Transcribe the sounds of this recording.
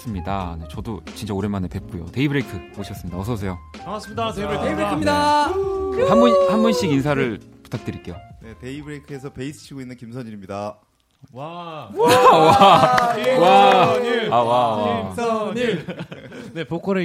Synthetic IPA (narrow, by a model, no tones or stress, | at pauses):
s͈ɯmɲidane̞t͡ɕʌdot͡ɕint͡ɕ͈aoɾemanepe̞p̚k͈ujo̰te̞ibɯɾekʰɯoɕʰʌs͈ɯmɲidaʌsʰʌs̬ʰe̞joas͈ɯmidaibɾekʰimɲida | hanbunhanbunɕ͈iɡins̬ʰaɾɯɭpu̥tʰak̚t͈ɯɾik͈e̞jone̞te̞ibɯɾejkʰɯe̞s̬ʰʌpe̞isʰɯ̥ɕʰiɡoinːɯnkimsʰʌɲiɾimɲida | wa | wa | waiawawasɲi | ne̞pokʰʌɾɯ